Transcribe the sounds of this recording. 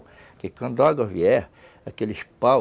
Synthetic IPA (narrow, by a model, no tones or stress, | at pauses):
kɪkɐ̃nd̪ʊaɡɐviɛɾ | akelɪʃpa